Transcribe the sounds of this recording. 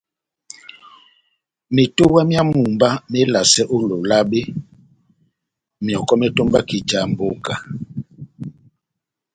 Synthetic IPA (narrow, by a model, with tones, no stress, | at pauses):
mi˨to˦wa˦mja˦mu˨mba˦me˦la˨sɛ˦ʔo˦lo˨la˦be˦ | mijɔ˨kɔ˦me˦to˦mba˦ki˨t͡ʃa˨m˨bo˦ka˨